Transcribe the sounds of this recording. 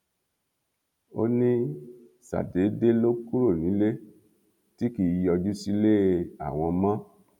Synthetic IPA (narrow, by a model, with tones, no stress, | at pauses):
o̰˦nĩ˦ | sa̰˨de˨˦de˦lo˦ku˦ɾo˦˨nĩ˨˦le˦ | ti˦ki˨˦ɔ˧d͡ʒu˦si˦le˦a̰˨w̃ɔ̃˧mã˦